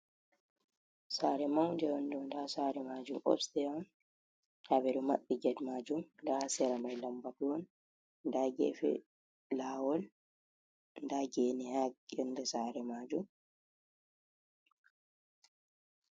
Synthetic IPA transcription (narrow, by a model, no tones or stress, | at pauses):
saːɾɛmawndɛjɔndɛɔndasaːɾɛmaːd͡ʒumʔɔ̰bstɛan | ʔaβɛɾɔma̰ɓːiɡɛdmaːd͡ʒumndasɛɾamajlambakiwɔn | ndaɡɛ̰fɛ̰ | laːwɔl | ndaɡɛnɛhaɡjɔnːdɛsaɾɛmaːd͡ʒum